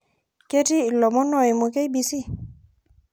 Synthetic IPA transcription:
ke˦tiː˦˨lɔ˨mɔ˦nɔ˦˨i˨mo˨ke˦jbi˨˧si˦

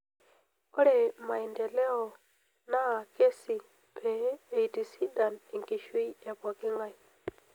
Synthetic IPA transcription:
ɔ˦ɾɛ˨ma˨i˨ndɛ˨lɛ˦ɔ˨ | na˦a˨ke˦si˨ | pɛː˨i˨ti˨si˦da˨ni˨ŋki˨ʃwi˦e˨βwa˨ki˦ŋɡa˦i˨

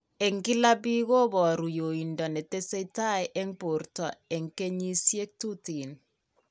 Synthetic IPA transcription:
e˨ŋki˦la˦bi˦ɣo˦bɔ˨ɾu˨jo˨i˨ndɔ˨ne˨te˦se˦ta˦jʔɛ˦ŋpo˨rtɔ˨e˨ŋke˦ɲi˦sje˦k̚tu˦ti˨n

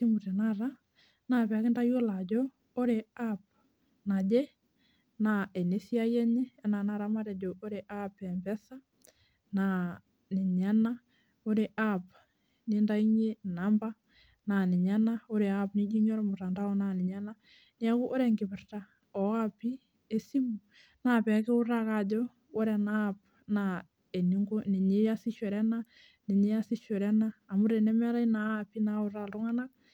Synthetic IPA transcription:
ti˦mu˨tɛ˨naɾa | napɛ˨a˨kɪ˦nda˦jo˦la˨d͡ʒɔ | o˦ɾe˨ap̚ | na˨d͡ʒɛ˦ | naɛ˨ne˦θi˦a˦jɛ˦ɲɛ˦ɛ˦na˨na˦ɾama˦ɾɛ˨d͡ʒɔ˨ʔo˦ɾe˨ʔapɛ˨mbɛ˦θa˦ | na | nɪ˨ɲa˦na˦ | o˦ɾe˨ʔap | ninda˦i˦ɲe˦namba˦ | na˨nɪ˨ɲa˦nao˦ɾe˨apni˦d͡ʒi˦ɲɔ˦ɾmu˨ɾa˨nda˦ɔ˦na˨ni˨ɲa˦na˦ | ni˦a˦ku˦ʔo˦ɾɛ˨ŋɡɪ˨bɪ˨rta˦ | ɔ˨api˦ | e˦si˦mu | na˨pɛ˨kɛ˦u˦rakadɔ˦ | o˦ɾɛ˨nap | na˨ | e˨ni˦ŋɡo˦ni˨ɲe˦ja˦si˦ʃwɛ˨ɾɛ˦na˦ | ni˨ɲe˦ja˦si˦ʃɛ˨ɾɛ˦naː˦˨mu˦ɾe˨nɛ˦mɛ˦ɾa˦inapi˦nau˦ralɾu˦ŋa˦na˦k̚

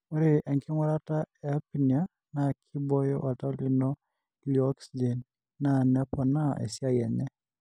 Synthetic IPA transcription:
o˦ɾe˨ʔɛ˨ŋkʰɪ˦ŋwa˦ɾa˦ta˦ɛ˨a˦pi˨ni˨a˦ | na˨kʰi˦bɔ˦jɔ̰˦ʔa˨ta˦o˦li˨nɔ˦ | liɔ˦ksid͡ʒɛ˨n | na˨nɛ˦pɔ˨na˦ɛ̰˨sja˦˨jɛ˨nɛ˦

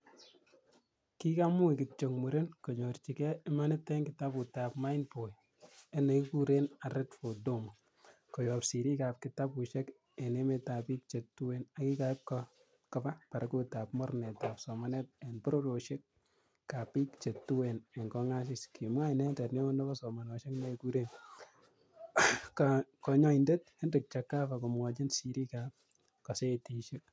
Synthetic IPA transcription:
ki˦ka˦mu˦i˨kɪ˨t͡ʃo˨ŋmu˨ɾe˦nko˨ɲo˨rt͡ʃi˨kɛ˦ɪma˦nɛ˦tɛ˦ŋɡɪta˦pu˨ta˨pma˦ɪnpo˨j | e˦ne˨kiku˦ɾe˦na˨ɾɛ˦tfo˨do˦m | kɔ˨jɔpsi˨ɾi˦ka˨p̚kɪ˨ta˦pu˨ʃe˦k | e˨ne˦me˦ta˨pi˦k̚t͡ʃe˨tːu˦wena˨ki˦ka˨ɪ˦p̚kɔ | kɔpa˦pa˨ɾa˦ku˦tapmɔ˦ɾne˨ta˨psɔ˨ma˦nɛ˦t̚ɛ˨npɔ˦ɾo˦ɾo˨ʃe˦k̚ː | a˨pi˦kt͡ʃe˨tːu˦wenɛ˨ŋkɔŋa˦s̬ɪ˦skʰi˨mwa˦˨nɛ˦ntɛ˨tne˦o˦nɔ˦kɔ˦sɔ˨ma˨nɔ˨ʃe˦kne˧ku˦ɾen | kkɔɲɔ˦inde˦t̚he˦ndek̚t͡ʃa˨kːa˦fa˨ko˨mwɔ˨d͡ʒi˦nsiɾi˦ka˨p̚ | kɔ˨se˦ti˨ʃe˦k̚

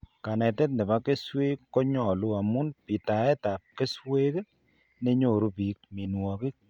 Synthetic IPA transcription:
ka˨nɛ˨tɛ˦t̬̚nɪ˨ba˦ke˦swe˦kkːɔ˦ɲɔ˨lu˦a˨mu˦npi˨ta˨ɛ˦ta˨p̚ke˦swe˦k | ne˦ɲo˨ɾu˦pi˨k̚mi˨nwɔ˨ki˦k̚

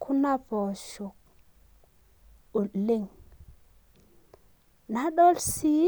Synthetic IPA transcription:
kʰu˦na˦bo˨ʃu˨k̚ | u˨li˦ŋ | na˨˦ɗo˦lsi˨˦

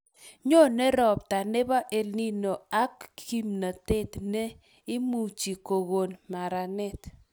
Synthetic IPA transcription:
ɲo˦˨ne˦ɾɔ˨p̚ta˨ne˦ba˦ʔe˨lni˦no˨a˦kːi˦mna˨te˦˨tne˦ | ɪ˦mu˨t͡ʃi˨ko˨ɣo˨nma˨ɾa˨nɛ˦t

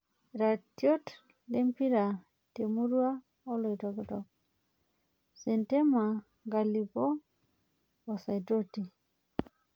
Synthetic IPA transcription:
ɾa˨tjo˦t | le˦mpi˦ɾa˨ | te˨mu˦ɾwa˦ | ɔ˦lo˨i˨tɔ˨ki˨tɔ˨k̚ | sɛ˨nte˦ma˨ | ŋɡa˨li˨pɔ˦ | ɔ˨sa˨jto˦ti˨

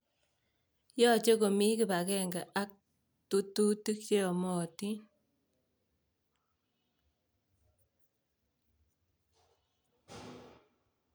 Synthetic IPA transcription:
jɔ˦˨t͡ʃe˦ko˨mi˦ki˨pa˨kɛ˦ŋɡa˨ʔa˦k̚ | tu˦tu˦ti˦kt͡ʃe˦ɔ˨mɔ˨ti˦

